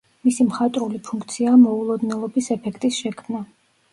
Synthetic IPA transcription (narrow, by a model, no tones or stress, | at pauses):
misimχat̪ʼɾulipʰuŋk̚ʰt̪sʰiamɔulˠɔd̪nɛlˠɔbisɛpʰɛkʰt̪ʼisʃɛkʰmna